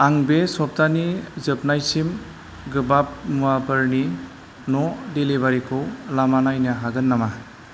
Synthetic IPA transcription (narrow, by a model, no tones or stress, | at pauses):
aŋbesɔp̚tanizɯp̚najsim | ɡɯbap̚muabɯɾni | nɔdelibaɾikʰɯwlamanajnaɦaɡɯnːama